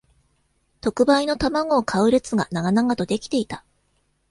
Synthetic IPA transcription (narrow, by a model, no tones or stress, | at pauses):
t̪o̞kɯ̟baino̞t̪amaɡo̞ːkʰaɯ̟ɾe̞t͡sɨɡa̰naɡanaɡat̪o̞d̪e̞kʲi̥t̪e̞it̪ḁ